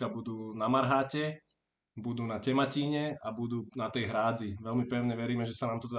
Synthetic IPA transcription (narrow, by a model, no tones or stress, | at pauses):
abud̪uːnamaɾɦaːcɛ | bud̪uːnacɛmaciːɲɛabud̪uːnat̪ɛjɦɾaːd͡ziʋɛlmipɛʊɲɛʋɛɾiːmɛʒɛsanaːmt̪ɔt̪ɛ